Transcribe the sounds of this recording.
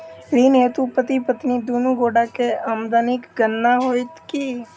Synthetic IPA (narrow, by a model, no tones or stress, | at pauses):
ɾiːneːt̪upət̪ipət̪nid̪uːnuɡoːɖakeamd̪aːnɪkɡənːaɦoːit̪ki